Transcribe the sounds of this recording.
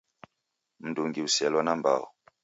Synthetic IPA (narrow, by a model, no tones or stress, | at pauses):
m̩duŋɡiwusɛlwɔnamba̰w